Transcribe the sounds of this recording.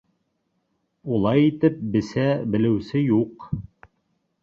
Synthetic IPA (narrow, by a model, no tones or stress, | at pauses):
ulˠɑjit̪ɘp̚bɘ̆sæbɘ̆lɘ̆wsɘjuq